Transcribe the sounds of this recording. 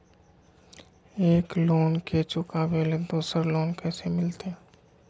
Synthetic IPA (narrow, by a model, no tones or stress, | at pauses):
eːkloːnket͡ʃʊkaːʋeled̪uːsəɾloːnkɛːsemɪlt̪eː